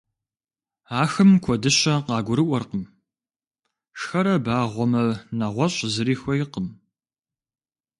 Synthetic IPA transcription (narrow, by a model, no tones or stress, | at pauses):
aːxɨmkʷʰɔdɨɕɐqɑːɡʷʊɾɨʔʷɔrqəm | ʃxɐɾɐbaːʁʷɔmɐnɐʁʷɔɕʼzɨɾiːxʷɔjɪqəm